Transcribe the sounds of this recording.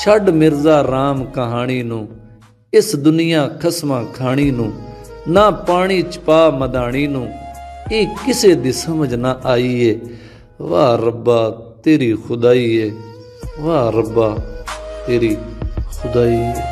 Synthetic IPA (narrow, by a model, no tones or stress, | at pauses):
t͡ʃʰəɖmɪɾzaːɾaːmkəɦaːɽ̃iːnũː | ɪsd̪ʊnɪjãːkʰəsmãːkʰaːɽ̃iːnũːnaːpaːɽ̃iːt͡ʃpaːməd̪aːɽ̃iːnũːeːkɪseːd̪iːsəməd͡ʒnaːʔaːiːeː | ʋaːɾəbaːt̪eːɾiːxʰʊd̪aːiːɛː | ʋaːɾəbaːt̪eːɾiːxʰʊd̪aːiːeː